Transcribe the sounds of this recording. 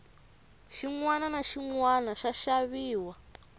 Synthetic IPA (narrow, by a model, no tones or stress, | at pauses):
ʃiŋwananaʃiŋwanaʃaʃaβiːwa